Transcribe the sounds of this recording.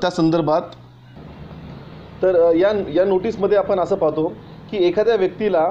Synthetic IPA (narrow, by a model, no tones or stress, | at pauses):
t̪jasənd̪əɾbʱat̪ | t̪əɾjajanoʈiːsməd̪ʱːjeapənəsəːpaɦt̪o | kiːekʰad̪jaʋjək̚t̪ila